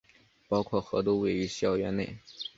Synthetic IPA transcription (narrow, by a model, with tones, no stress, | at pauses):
pɑ˥ʊkʰwɔ˥˩xɤ˧˥t̪̬u˥we˥˩ɪy˧˥ɕjɑ˥˩ʊɥɛ˧˥ne˥˩ɪ